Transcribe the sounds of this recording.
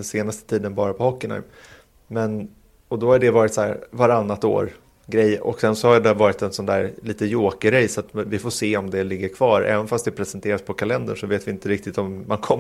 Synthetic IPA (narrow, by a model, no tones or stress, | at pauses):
seːnast̪ə̥t̪ʰiːd̪ənbɑːɾapʰɔhɔkːɪna̰jm | mɛn | ɔd̪ɔhaɖɛvɑːɾɪt̪sɔæ̰ːɾvaɾanːat̪o̰ːɾ | ɡɾɛjːʔɔ̰ksɛnsɔhad̪ɛvɑːɾɪt̪ɛnsɔnd̪æːɾliːt̪əjoːkəɾɾɛjsɔat̪vɪfoseːɔmd̪ɛlɪɡːəɾkʰvɑːɾɛ̰ːvənfast̪d̪ɛpʰɾɛsɛnt̪ʰeːɾaspʰɔkʰalɛnd̪ə̰ʂɔveːt̪vɪɪnt̪əɾɪk̚t̪ɪt̪ɔmːankʰɔm